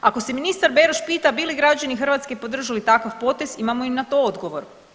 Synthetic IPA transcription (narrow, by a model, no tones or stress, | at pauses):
ako̞seminist̪aɾbe̞ɾoʃpiːt̪abiliɡɾad͡ʑanixr̩ʋat̪ske̞po̞d̪r̩ʒalit̪akaʋpo̞t̪e̞zimamoimnat̪o̞od̪ɡo̞ʋo̞ɾ